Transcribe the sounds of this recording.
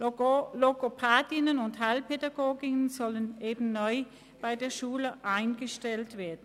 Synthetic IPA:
loɡopʰaːdɪnənʊnthalpʰedaɡoːɡɪŋnzɔlənʔeːbm̩nɔʏ | b̥aɪdeːɐʃuːləʔaɪnɡəʃtɛltv̥eːɐdn̩

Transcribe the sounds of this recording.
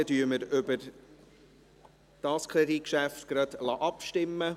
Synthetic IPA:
ədyːəməɾʏbəɾ | d̥ɑːskʰʁɾedikʃæftɡ̥ɾɑd̥lɑːʔɑpʃtɪmːə

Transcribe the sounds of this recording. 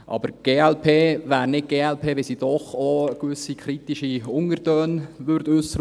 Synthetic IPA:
ʔɑ̰bəɾɡ̥eːɛlpʰeːvæːɾnɪt̚ɡ̥eːɛlpʰeːʋɪlsiːd̥ɔχokʋʏsikʰɾit̪iʃiʊŋəɾtøːnʋʏɾtʉsəɾ

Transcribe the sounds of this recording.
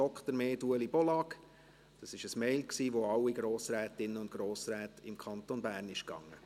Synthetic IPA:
ɔkχt̪əɾmeːduəlibɔlɑk | d̥ɑsɪʃəsmɛɪlksiːʋoɑlːiɡ̥ɾoːsɾɛːt̪ɪnːəʊntɡ̥ɾoːsɾɛːtɪmkʰɑnt̪onbæːɾnɪʃkɑ̰ŋːə

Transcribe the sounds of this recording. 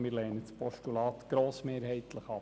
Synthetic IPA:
mɪːɾlɛːnət͡spʰɔʃtulɑːt̪ɡ̥ɾoːsmeːɾɦhɛɪt̪ləχɑ

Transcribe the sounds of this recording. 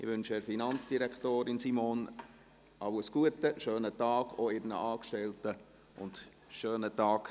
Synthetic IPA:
ɪ̰ʋʏnʃɛɾfinɑnt͡sd̥iɾɛktoːɾɪnsimoːn | ɑwəsɡ̥uətəʃøːnətɑːɡ̥oɪɾnə̰ʔɑːkʃtɛltə | ʊ̰nt | ʃøːnətɑːk

